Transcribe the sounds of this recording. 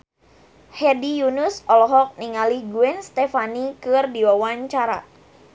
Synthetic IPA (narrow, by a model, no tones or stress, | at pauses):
hɛdijunʊsɔlɔɦɔk̚niŋalihɡuɛnst̪efanikɨrdiwawaɲt͡ʃaɾa̰